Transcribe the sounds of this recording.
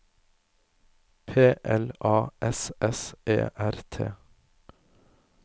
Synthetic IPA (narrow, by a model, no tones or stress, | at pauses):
pʰeːʔɛlɑːʔɛsʔɛsḛːʔæɾt̪ʰḛː